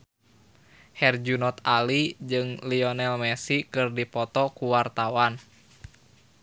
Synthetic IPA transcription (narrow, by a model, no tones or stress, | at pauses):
hɛrd͡ʒunɔt̪alid͡ʒɨŋliɔnɛlmɛsikɨrdipɔt̪ɔkuwart̪awan